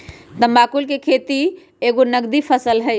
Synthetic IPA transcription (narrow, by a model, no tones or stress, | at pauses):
t̪ə̃mbakulkekʰet̪i | eɡonəɡd̪ipʰəsəlɦəɪ